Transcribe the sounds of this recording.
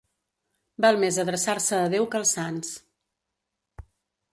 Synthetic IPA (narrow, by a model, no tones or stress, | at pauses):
balˠmezəðɾəsaɾsəːðewkəlˠsːans